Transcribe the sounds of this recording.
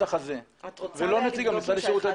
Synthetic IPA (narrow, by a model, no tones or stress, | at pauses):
aχazevelo̞net͡siɡamit͡saliʃiut̪a